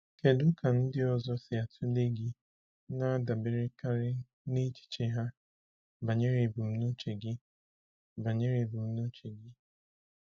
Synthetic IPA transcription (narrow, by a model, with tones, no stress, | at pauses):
ke˨dʊ˦ka˨n̩˦dɪ˦ɔ˨zɔ˦sɪ˨a˨tʰu˦le˦ɡi˦ | na˦da˨be˨ɾɪ˦ka˦ɾɪ˦ | ne˦t͡ʃi̥˨t͡ʃe˨ɦa˦ | ba˨ɲe˦ɾe˨bu˨m̩˦nu˦t͡ʃe˨ɡɪ˦ | ba˨ɲe˦ɾe˨bu˨m̩˦no˦t͡ʃe˨ɡɪ˦